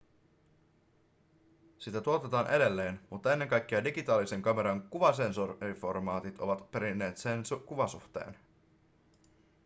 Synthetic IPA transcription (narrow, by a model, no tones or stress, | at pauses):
sit̪æt̪uo̞t̪et̪ɑːnʔe̞de̞lːe̞ːnmut̪ːɑe̞nːe̞ŋkɑjk̟ːeɑdiɡit̪ɑːlise̞ŋkɑme̞ɾɑŋkuʋɑse̞nsorriformɑːt̪it̪o̞̰ʋɑt̪pe̞ɾinːe̞ːt̪se̞nsukuʋɑsṵxt̪e̞̰ːn